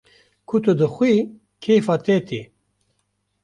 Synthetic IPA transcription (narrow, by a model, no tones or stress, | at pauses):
kʰut̪ud̪əxʷwi | kʰeːfaːt̪eːt̪ʰi